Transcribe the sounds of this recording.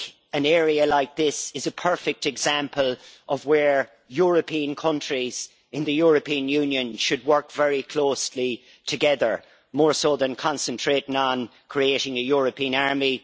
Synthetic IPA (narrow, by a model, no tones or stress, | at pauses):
ə̃nɛːɹiəlaɪk̚ðɪsɪzəpʰɜ˞fɪk̚tɛɡzãmpʰəlʔʌvwə˞ | jɔɹəpʰĩə̃nkʰʌ̃nt͡ʃɹ̥iz̥ | ɪ̃nðɨjɔɹəpʰĩə̃njʉ̃ːnjə̃nʃɨd̚wɜ˞kv̥ɛɹikʰl̥oːsli | tʰɨɡɛðə˞ | mɔːɹsoðə̃nkʰɑ̃nsə̃ntʰɹ̥eɾɪ̃ŋə̃nkʰɹ̥ieɾɪ̃ŋəjɔɹəpʰĩə̃naɹmi